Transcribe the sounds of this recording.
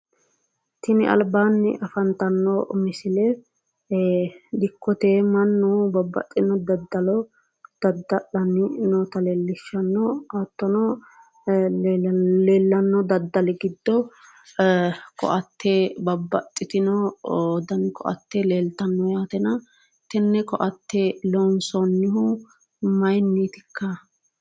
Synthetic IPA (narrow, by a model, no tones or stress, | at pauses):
t̪ɪnɪɐ̰lbaːnːɪ̰ʔɐfɐnt̪ɐnːɔmɪsɪlɛ | d̪ɪkːɔt̪eːmɐnːubɐbːɐ̰t̪ʼːɪnɔd̪ɐd̪ːɐlɔ | d̪̥ɐd̪ːɐʔɐnɪnot̪ɐleːlːɪʃːɐnːɔat̪ːɔnɔ | leːlːɐnːɔd̪ɐd̪ːɐlɪɡɪd̪ːɔ | kɔ̰ʔɐt̪ʰːebɐbːɐt̪ʼːɪt̪ɪnɔd̪ɐnkɔ̰ʔɐ̰t̪ːeleːlt̪ɐnːɔjaːt̪ɛnɐ | t̪ɛnːɛkɔʔɐt̪ːelonsɔnːɪɦʊ | mɐjnːiːt̪ɪ̥kʰːɐ